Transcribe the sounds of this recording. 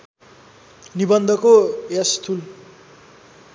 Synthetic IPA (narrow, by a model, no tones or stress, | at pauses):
nibʌnd̪ʱʌkojast̪ʰul